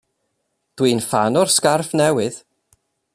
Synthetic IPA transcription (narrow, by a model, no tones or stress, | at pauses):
d̥wiːnfanɔrskarfnɛwɨð